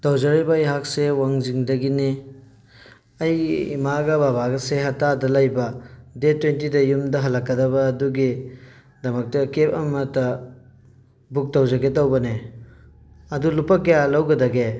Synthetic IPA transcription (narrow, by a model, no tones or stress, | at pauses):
tɐwd͡ʒɐɾibɐjɦak̚sewaŋziŋdɐɡini | ɐjḭmaɡɐbabaɡɐseɦɐtadɐlɐjbɐdetwentidɐjumdɐɦɐlɐkːɐdɐbɐːduɡi | dɐmɐk̚tɐkep̚ɐmɐtɐ | buk̚tɐwd͡ʒɐɡetɐwbɐne | ɐdulupɐkɐjalɐwɡɐdɐɡe